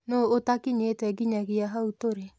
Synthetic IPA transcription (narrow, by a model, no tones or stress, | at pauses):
nootakiɲeːtwɛɡiɲaɣiaɦautoɾe